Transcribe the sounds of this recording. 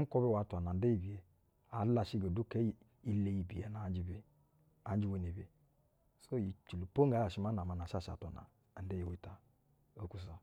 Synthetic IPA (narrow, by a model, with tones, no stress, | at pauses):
ko˦be˦˨wa˨˦tu˨a˨na˨n̩˦de˦i˨bi˨je˨ | a˨la˨ʃi˦ɡa˨du˦ke˦ | i˦le˨ji˨bi˨e˨na˨˦d͡ʒi˦be˨ | a˨n˦d͡ʒi˦we˨ne˨be˨ | so˦ji˨t͡ʃu˨lu˨po˦ŋ˦a˨˦ja˨ʃi˦ma˦na˨ma˨n˨a˨ʃa˦˨ʃa̰˨tʷa˨na̰˨ | n̩˦de˦ji˨we˦ta˨ | o˦ku˨s̬a˨